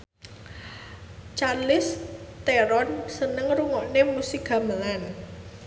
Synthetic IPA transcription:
t͡ʃarlɪst̪eɾɔnsənəŋɾuŋɔʔnemusiɡ̥ä̤məlan

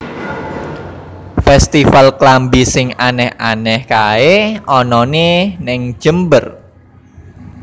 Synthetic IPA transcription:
fɛst̪ifalklambisɪŋanɛhanɛhkaeɔnɔnenɛŋ̥ʒ̥əmbər

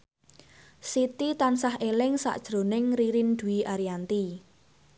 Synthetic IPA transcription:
sit̪it̪ansaɦelɪŋsa̰ʔd̥ʒ̥ɾo̤nɪŋriɾind̪̥ṳiʔaɾiant̪i

